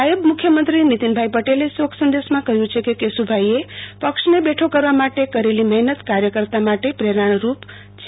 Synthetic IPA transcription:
ajubmukʰjəmənt̪ɾinit̪inbʱajpəʈelesoksənd̪esmakʌɦjũt͡ʃʰekekesubʱajepʌksnebeʈʰokəɾʋamaʈekʌɾelimʌɦnət̪kaɾjəkəɾt̪amaʈepɾeɾaɳ̃ɾup | t͡ʃʰ

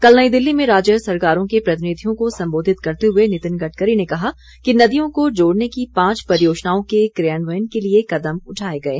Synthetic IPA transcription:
kɐlnəid̪ɪlːimẽɾaːd͡ʒəsɐɾkaːɾõkepɾɐt̪ɪniːd̪ʱijõkosɐ̃mboːd̪ʱɪt̪kɐɾt̪eɦʊenɪt̪ɪnɡɐʈkəɾinekɐɦa | kinɐd̪ijõkod͡ʒoːɽnekipãːt͡ʃpɐɾɪjoːʃnaːõkekɾejənʋəjənkeliekɐd̪əmʊʈʰaːeɡɐḛː

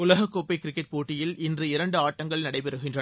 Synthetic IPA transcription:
ʊlɐɣɐkːoːpːɐɪkɾɪkːɛʈ̚poːʈːɪjɪlɪndrɯɪɾɐɳɖɯaːʈːɐŋɡɐɭnɐɽɐɪpɛɾɯɣɪndrɐ

